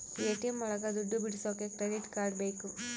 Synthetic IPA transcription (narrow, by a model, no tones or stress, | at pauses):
eːʈijɐmɐɭɐɡɐd̪uɖːubiɽisoːkekɾeɖiʈkaːɾɖbɐjku